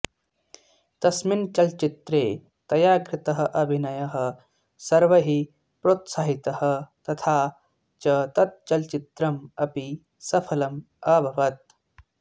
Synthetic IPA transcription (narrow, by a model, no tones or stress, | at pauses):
t̪ɐsmint͡ʃɐlt͡ʃit̪ɾeː | t̪ɐjaːkɾɪt̪ɐɦɐ̆ʔɐbʱinɐjɐɦɐ̆ | sɐɾʋɐɦi | pɾoːt̪saːɦit̪ɐhɐ̆t̪ɐt̪ʰaː | t͡ʃɐt̪ɐt̪̚t͡ʃɐlt͡ʃit̪ɾɐmɐpi | sɐpʰɐlɐm | ɐbʱɐʋɐt̪̚